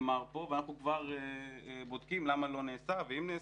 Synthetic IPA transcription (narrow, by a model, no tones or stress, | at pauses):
maʁpo̞veanaχnukvaʁebod̪kimlamalo̞neːsaveimne